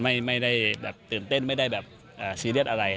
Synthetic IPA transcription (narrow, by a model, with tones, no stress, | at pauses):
ma˥˩jma˥˩jda˥˩jbɛː˨˩p̚t̪ɯː˨˩nt̪e˥˩˨nma˥˩jda˥˩jbɛː˨˩p | ʔaː˨˩siː˧˦li˥˩ət̪̚ʔa˧ɾa˧j